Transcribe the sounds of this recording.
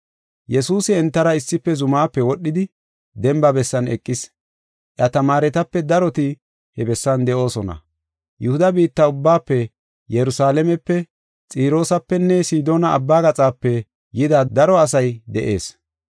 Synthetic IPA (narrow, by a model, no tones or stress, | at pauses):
jɛsuːsɪɛnt̪ːɐɾɐɪsːɪpːɛzʊmaːpːɛwɔɗːɪd̪ɪ | d̪ɛmbɐbɛsːɐnɛkʼːɪs | ʔjɐt̪ɐmaːɾɛt̪ɐpːɛd̪ɐɾɔt̪ɪ | hɛbɛsːɐnd̪ɛʔo̞ːsɔnɐ̰ | jʊhʊd̪ɐbiːt̪ːɐʊbːaːpːɛ | jɛɾʊsaːlɛmɛpːɛ | t͡sʼiːɾo̞ːsɐpːɛnːɛsiːd̪o̞ːnɐ̰ːbːaːɡɐt͡sʼaːpːɛ | jɪd̪ɐd̪ɐɾɔɐs̬ɐjd̪ɛʔe̞̰ːs